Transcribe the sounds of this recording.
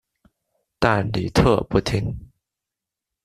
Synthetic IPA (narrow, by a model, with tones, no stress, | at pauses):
t̪a˥˩nli˨˩t̪ʰɤ˥˧pu˥˩t̪ʰi˥ŋ